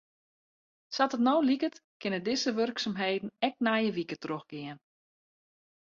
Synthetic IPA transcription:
satətnowlikətkɪnədɪzəʋørksamɦeːdn̩ɛk̚najəʋikətroxɡ̥ɪən

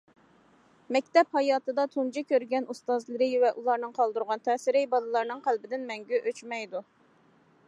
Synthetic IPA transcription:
mɛkʲt̪ɛphɑjɑːt̪ɨd̪ɑt̪ʰund͡ʒɪkʲøɾɡʲɛnust̪ɑzlˠɨɾɨvɛʔulˠɑɾnɨŋqʰɑlˠd̪uɾʁɑnt̪ʰɛsɪɾɪbɑlˠɨlˠɑɾnɨŋqʰælbɪd̪ɪnmɛŋɡʲyʔøt͡ʃmɛjd̪u

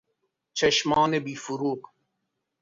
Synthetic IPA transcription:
t͡ʃɐʃmɑːnebiːfuɾuːq

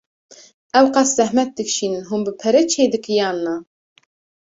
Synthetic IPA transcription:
ɛwqɑszɛhmɛt̪̚d̪ɨkʃiːnɨnɦunbɨpʰɛɾɛt͡ʃʰeːd̪ɨkɨjɑːnːɑ

